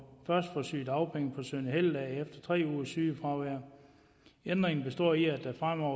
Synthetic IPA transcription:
fɶɐsd̥fɒsy̰ːd̥ɑ̈ʊpʰeŋ̰əpʰɒ̽sønəheld̥ɛːefd̥ɐt͡sʰʁɛ̰ːuːsyːfʁɑ̈ʊʋæɐ̰ | end̥ʁeŋn̩b̥e̝sd̥ɒ̰ːiæd̥æfʁam̰ɒʊ̰

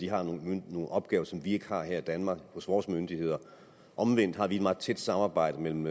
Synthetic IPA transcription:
d̥iɦɑ̈nno̝ːn̩ʔɒ̽b̥̚ɡ̥ɛːʊɐsɒ̽mʋie̝ɡ̥hɑ̈ɦeɐ̰id̥ænmɑ̈ːɡ̥ho̽sʋɒːsmønd̥ihe̝ð̞̰ˠɐ | ʔɒ̽mʋen̰d̥hɑ̈ʋie̝d̥mɑ̈ːð̩ˠt͡sʰed̥sɑ̈mɑ̈ːb̥ɑ̈ɪ̰ɾ̥əmel̰m̩

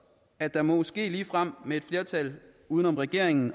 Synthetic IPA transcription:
æd̥ɑ̈mɒ̽mosɡ̥e̝̰ːliːfʁam̰mee̝d̥fle̝ɐt͡sʰæl | uðˠənɒ̽mʁɛɡ̥e̝ɐ̰eŋn̩

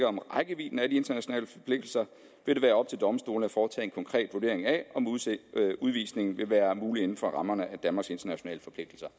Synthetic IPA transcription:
ɡɐɒ̽mʁɑ̈ɪɡ̥əʋḭːn̩æd̥ie̝nd̥ɐnæɕo̝nɛ̰ːləfɒ̽pʰle̝ɡ̥̚d̥l̩sɐ | ʋe̝d̥e̝ʋæːɐɒ̽b̥̚t͡sʰe̝ld̥ɒ̽məsd̥o̝̰ːlnəfɒːt͡sʰɛ̰ːenkʰɒ̽ŋkʰʁɛ̰ːd̥ʋud̥e̝ɐ̰eŋæɒ̽m | uð̞ˠʋḭːsne̝ŋn̩ʋe̝ʋæːɐmuːlie̝n̩fɒ̽ʁɑ̈mɐnəʔæd̥ænmɑ̈ɡ̥se̝nd̥ɐnæɕo̝nɛ̰ːləfɒ̽pʰle̝ɡ̥̚d̥l̩sɐ

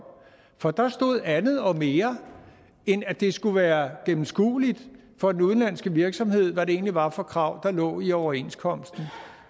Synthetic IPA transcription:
fɒ̽d̥ɑ̈sd̥o̝ð̞̰ˠænð̞̩ˠɒ̽me̝ːɐ | enæd̥e̝sɡ̥uʋæːɐɡ̥em̩sɡ̥ṵːlid̥ | fɒ̽d̥enuðˠn̩lænsɡ̥əʋiɐɡ̥sɒ̽mhe̝ð̞̰ˠʋæɾe̝e̝̰ːnliʋɑ̈fɒ̽kʰʁɑ̈ʊ̰d̥ɑ̈lɔ̰̽ːiɒʊɐe̝̰n̰skʰɒ̽m̰sd̥n̩

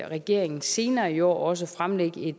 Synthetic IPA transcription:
ʁɛɡ̥e̝̰ɐ̰eŋn̩se̝ːnɐːiɒ̰ːɒ̽s̬əfʁamleɡ̥əe̝d̥

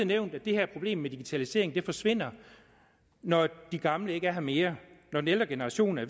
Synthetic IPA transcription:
neʊnd̥æd̥e̝hæɐ̰æɐpʰo̝b̥le̝̰ːmːed̥iɡ̥it͡sʰælise̝̰ɐ̰eŋ̩d̥e̝fɒ̽sʋe̝n̰ɐ | nɒd̥iɡ̥ɑ̈mləe̝ɡ̥æɐɦɑ̈me̝ːɐnɒd̥n̩eld̥ɐɡ̥e̝nəʁɑ̈ɕo̝̰ːn̩æɐ

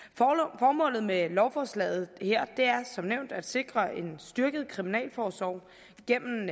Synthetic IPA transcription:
fɒːmɔ̰̽ːlð̞̩ˠmelɒʊfɒːslɛ̰ːð̩ˠheɐ̰d̥e̝æɐsɒ̽mneʊ̰nd̥æd̥se̝ɡ̥ʁɐe̝nsd̥yɐɡ̥əð̞̩ˠkʰʁiminɛ̰ːlfɒːsʋɒʊ̰ | ɡ̥en̰m̩

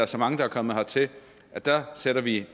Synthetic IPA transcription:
æɐsɒ̽mɑ̈ŋəd̥ɑæɐkʰɒ̽mð̩ˠhɒ̽t͡sʰe̝ | ʔæd̥æseɾ̥ɐʋi

